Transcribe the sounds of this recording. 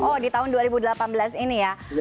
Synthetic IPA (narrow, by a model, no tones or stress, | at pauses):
ɔdit̪aɦʊnduaɾibudəlapanbəlasinija